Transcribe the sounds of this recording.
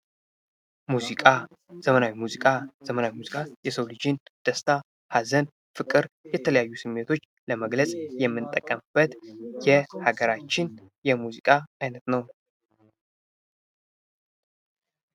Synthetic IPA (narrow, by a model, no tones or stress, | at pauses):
muzikʼa | z̥əmənawimuzikʼaz̥əmənawimuzikʼajɛsəwlɨd͡ʒɪnd̪̥əst̪ʰa | hazən | fɨkʼːɨɾjɛt̪ʰələjajːusɨmːe̞t̪ʰo̞t͡ʃː | ləməɡləsʼjɛmːɨnt̪ʼːəkʼːəmb̥ət̪jɛhaɡəɾat͡ʃːɪnjɛmuzikʼaajnət̪nəw